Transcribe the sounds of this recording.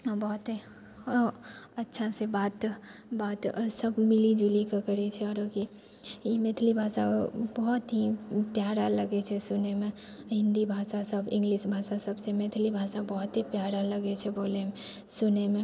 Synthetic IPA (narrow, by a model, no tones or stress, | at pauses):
bɔɦt̪ | ətːʃʰasebaːt̪baːt̪səbmilid͡ʒulikakəɾɛt͡ʃʰɛɔːɾoki | imeːt̪ʰlibʱasabɔɦɔt̪ɦipjaɾaləɡet͡ʃʰɛsunemẽ | ɦɪ̃nd̪ibʱasasəbɪ̃ŋɡlisbʱasasəbsemet̪ʰlibʱasabɔɦt̪ɦipjaɾaləɡet͡ʃʰɛboːle | sunemẽ